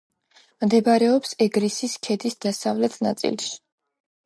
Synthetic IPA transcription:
md̪ɛbaɾɛɔpsɛɡɾisiskʰɛd̪isd̪̥asavlɛt̪ʰna̰t̪sʼḭlʃi̥

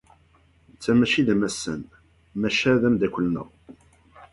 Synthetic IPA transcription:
nt͡sːæmæʃiðæmæsːə̰n | mæʃæðæmd̪ækʷːəlnə̰ʁ

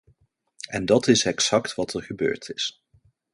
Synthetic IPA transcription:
ɛndɑtɪsɛksɑktʋɑtʰɛɹχəbø̰ːɹtʰɪs

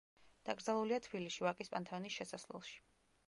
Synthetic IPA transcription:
d̪̥aɡɾd̪zalˠuliat̪ʰb̥iliʃivakʼispʼant̪ʰɛɔnisʃɛsaslɛ̰lˠʃi̥

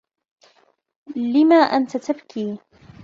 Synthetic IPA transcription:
lɪmaːʔant̪at̪abkʰiː

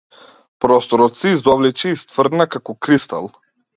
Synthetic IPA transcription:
pɾɔst̪ɔɾɔt̪sɛizd̪ɔvlɛt͡ʃɛːst̪vrd̪nakakɔkɾist̪a̰lˠ

